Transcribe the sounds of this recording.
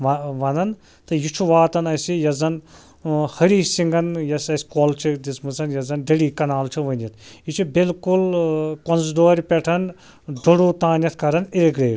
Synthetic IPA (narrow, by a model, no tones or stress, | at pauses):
ʋɐʋɐnɐn | t̪ɨjut͡ʃʰuʋaːt̪ɐnɐsijɐzɐn | hɐɾiːsiŋɡɐnjɐsɐsʲkoːlt͡ʃʰid̪ismɨzɐnjɐzɐnɖɐɽiːkɐnaːlt͡ʃʰiʋɐnjɐt̪̚ʰjit͡ʃʰibilkulkɔnzd̪oːɾʲpʲɛʈʰɐn | d̪oɽoːt̪aːnjɐt̪ʰkɐɾɐniɾiɡɾeːʈ